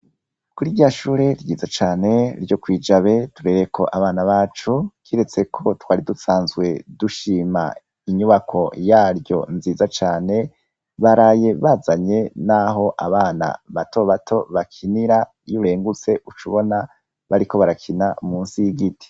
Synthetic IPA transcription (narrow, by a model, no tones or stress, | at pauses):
kuɾiɾɟaːʃuːɾe̞ɾiɟiːzat͡ʃaːne̞ɾɟjo̞kwiːd͡ʒaβe̞tuɾe̞ɾekʰo̞̰ʔaβaːnaβaːt͡ʃukiɾe̞t͡se̞kʰo̞twaːɾidusaːnzɡwe̞duʃiːma̰ | iɲuβakʰo̞jaːɾjo̞̰nziːzat͡ʃaːne̞ | βaɾaːje̞βazaɲe̞naɦo̞ʔaβaːna̰βato̞βatʰo̞βakʰiniɾa | juɾe̞ːŋɡut͡se̞ʔut͡ʃuβo̞na | βaɾiko̞βaɾakʰinamuːnsiɡitʰi̥